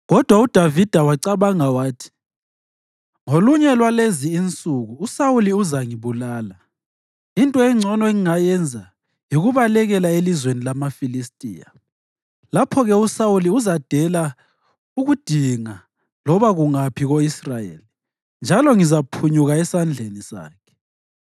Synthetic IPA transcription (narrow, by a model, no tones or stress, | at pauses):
ɣɔd̥ʱwaud̥ʱwʱavid̥ʱawaǀaβaŋawaːtʰi̥ | ŋoluɲɛlwaleziːnt͡sʼuɣuːsawuliuzaŋiβulaːla | intʼɔɛŋ͡ǀʱɔnɔeŋiŋajɛnd͡zʱa | jiɣuβalɛɣɛlaelizwenilamafilistʼḭːja̰ | lapʰɔɣɛusawuliuzad̥ʱɛla | uɣud̥ʱiŋa | lɔβaɣuŋapʰiɣoisrajḛli | nd͡ʒʱalɔŋizapʰuɲuɣaɛsand͡ɮʱenisa̰ːkʰɛ̥